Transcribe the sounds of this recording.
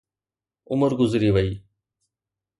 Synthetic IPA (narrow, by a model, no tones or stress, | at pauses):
ʊməɾɡʊzɾiːʋəiː